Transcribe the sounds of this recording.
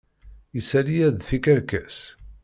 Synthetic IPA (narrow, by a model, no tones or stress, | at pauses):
isælijæðθikəɾkæs